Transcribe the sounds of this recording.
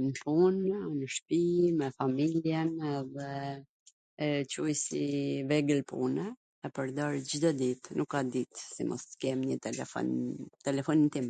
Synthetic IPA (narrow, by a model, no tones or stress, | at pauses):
npunnəʃpimɛfamiljɛnɛðɛ | t͡ɕujsivɛɡəlpṵnɛː | pəɾd̪ɔɾd͡ʑid̪ɔd̪it̪nʔukːad̪it̪simɔ̰skɛmɲət̪ɛlɛfɔ̰nt̪ɛlɛfɔnint̪im